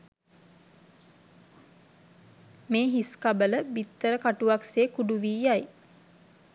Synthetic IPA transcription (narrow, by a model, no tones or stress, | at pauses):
meːɦiskabələbit̪ːəɾəkaʈuʋakseːkuɖuʋiːjaj